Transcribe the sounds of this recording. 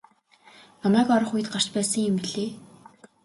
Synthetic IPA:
namæːkɔɾɞ̆χuj̆t̪̚ɢar̥t͡ɕpæːsə̆ŋemːiɮeː

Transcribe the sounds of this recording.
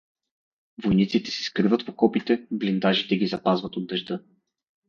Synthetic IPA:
vojnit̪sit̪ɛ̥sɛ̥skɾivət̪pokɔpit̪ɛblind̪aʒit̪ɛɡʲizɐpazvət̪od̪ːɐʒd̪ɤ

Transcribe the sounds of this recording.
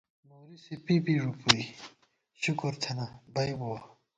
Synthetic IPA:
moːɾisepipiɾupui | ɕukoɾt̪ʰɐnabɐjbowa

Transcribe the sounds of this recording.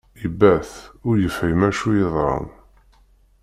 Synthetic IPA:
ibæθʊɾjəfhæjmæʃujeðˤɾɑ̰n

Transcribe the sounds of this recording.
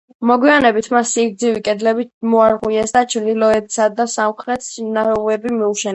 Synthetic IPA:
mɔɡwianɛbit̪ʰmasiɡd̪zivikʼɛd̪lɛbimɔaɾʁuɛsd̪at͡ʃʰɾd̪ilɔɛd̪sad̪asamχɾɛt̪ʰʃnaɾɛuɛbimiuʃɛ

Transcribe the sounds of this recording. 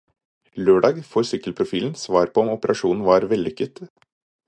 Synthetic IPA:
løːɖɑːɡfɔɾsʏkːəlpʰɾʊfiːln̩sʋɑːɾpʰɔɔmɔpəɾʔɑʂuːnn̩ʋɑːɾʋɛlːʏkːət̪

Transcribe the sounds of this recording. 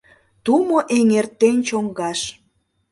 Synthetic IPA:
t̪umoʔeŋert̪ːenʲt͡ɕoŋɡɑʃ

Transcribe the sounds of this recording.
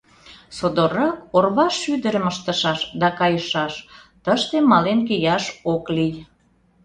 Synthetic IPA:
sod̪orɑkorβɑʃːyd̪əɾəməʃt̪ə̆ʃɑʃd̪ɑkɑjəʃɑʃt̪əʃt̪emɑlenkijɑʃoklij

